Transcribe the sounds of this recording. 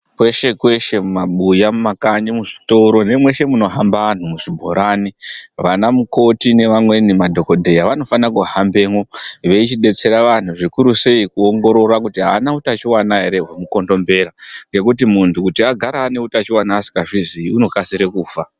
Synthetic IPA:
kwe̞ʃe̞kwe̞ʃe̞mumaɓujamumakaɲimuʐito̞ɾo̞ne̞mwe̞ʃe̞muno̞ɦambaan̤umuʐibʱo̞̰ɾaniʋanamuko̞tine̞ʋamwe̞nimadʱo̞ko̞dʱe̞jaʋano̞fanakuahambe̞ːŋwoʋe̞it͡ʃiɗe̞t͡se̞ɾaʋan̤uʐikuɾuse̞ikuo̞ŋɡo̞ɾo̞rakutiɦaːnautat͡ʃiwanaɦe̞ɾe̞ɦwemuko̞ndo̞mbe̞ɾaŋɡe̞kut̬imuntʰukutiaɡʱaɾaːne̞utat͡ʃiwanaːsi̥kaʐiziuno̞kasiɾekuːfa

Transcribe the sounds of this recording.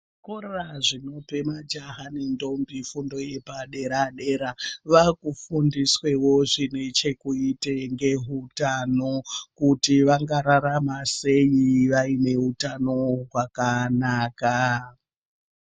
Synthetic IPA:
koreraʐino̞pe̞mad͡ʒaɦanendo̞mbifundo̞je̞paɗe̞ɾaɗe̞ɾaʋakufundiswe̞wo̞ʐine̞t͡ʃe̞kuiteŋɡe̞ɦutanokutiʋaŋɡaɾaɾamase̞iʋaine̞ɦutano̞ɦwakanaːka

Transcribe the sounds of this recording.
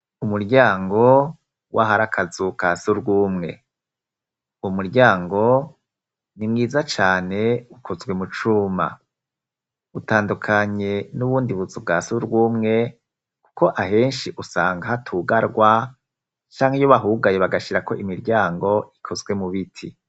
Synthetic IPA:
umuɾɟaːŋɡo̞ | wʔaɦaɾakʰazukasuɾɡuːmŋe̞̰ | umuɾɟaːŋɡo̞ | nimŋiːzat͡ʃaːne̞ukʰo̞zɡwe̞mut͡ʃuma̰ | utaːndukʰaɲe̞nuβuːndiβuzubɡasuɾɡwuːmŋe̞ | ku̥ko̞ʔaɦe̞ːnʃiʔusaːŋɡahatʰuɡaɾɡwa | t͡ʃaːŋhejoβaɦuɡajeβaɡaʃiɾako̞ʔimiɾɟaːŋɡo̞ʔikʰo̞zɡwe̞muβitʰi

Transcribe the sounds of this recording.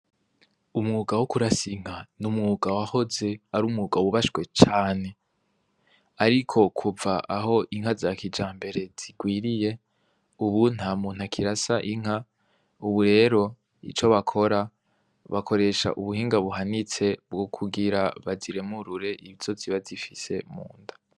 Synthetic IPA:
umŋuːɡawokuɾasiŋ̥anumŋuːɡawaho̞ze̞aɾuːmŋuːɡawuβaʃɡwe̞t͡ʃaːne̞ | aɾikʰo̞kʰuvaʔaɦo̞ʔiŋhazakid͡ʒaːmbe̞ɾe̞z̥iɡ̥wiːɾije̞ | uβun̥amun̥hakʰiɾasaʔiŋ̥a | uβuɾe̞ːɾo̞ | ḭt͡ʃo̞βakʰo̞ɾa | βakʰo̞ɾe̞ʃa̰ʔuβuɦiːŋɡaβuɦanit͡se̞b̚ɡo̞kʰuɡiɾaβaziɾe̞muɾuɾe̞ʔiβiz̥o̞ziβazifise̞mṵːndḁ

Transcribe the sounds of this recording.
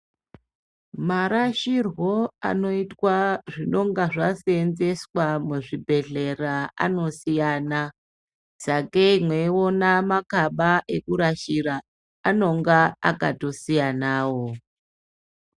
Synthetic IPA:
maɾaʃirwo̞a̰no̞itwaʐino̞ŋɡaʐasenze̞swamuʐibʱe̞ɮe̞raa̰no̞sijaːna | sakemwe̞onamakaɓaʔe̞kuɾaʃiɾa | ano̞ŋɡaa̰ka̰to̞sijanaːwo

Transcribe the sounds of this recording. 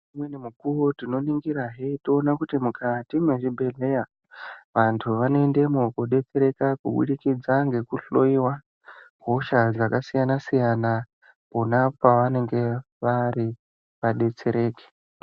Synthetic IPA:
mwenemukuwotino̞niŋɡiɾaɦetoːnakutimukʰatimwe̞ʐibʱe̞ɮe̞ja | ʋantʰuʋanoende̞mokoɗe̞t͡se̞ɾe̞kakuɓṵɗikid͡zaŋɡe̞kuɬo̞iwa | ɡʱo̞ʃaakasijanasijana | ponapaʋane̞ŋɡe̞ | ʋaɾi | ʋaɗe̞t͡se̞ɾe̞ːke̥

